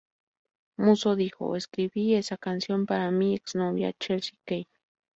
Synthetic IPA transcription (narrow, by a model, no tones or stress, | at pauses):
musoðixo̰eskɾibiesakansjompaɾamieksnoβja̰t͡ʃelsi̥kej